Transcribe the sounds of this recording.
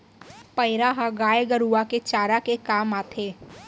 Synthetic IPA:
pɐɪɾaɦaɡaːjeɡəɾuaket͡ʃaːɾakekaːmaːt̪ʰeː

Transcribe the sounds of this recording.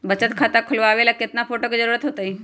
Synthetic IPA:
bət͡ɕət̪kʰat̪akʰəlʋoaʋelaket̪nafoʈokd͡zəɾuɾət̪ɦot̪əi

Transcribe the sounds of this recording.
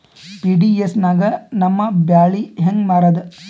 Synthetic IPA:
piːɖiesnaːɡɐnɐmːɐbjaːɭiɦeŋɡmaːɾɐd̪

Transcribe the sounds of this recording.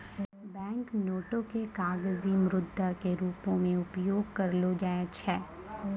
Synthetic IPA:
bɛ̃ːŋknoːʈõkekaːɡzimɾʊd̪ʱːakeɾuːpõmẽʊpjoːɡ̚kɐɾlod͡ʒaːet͡ʃʰɛː

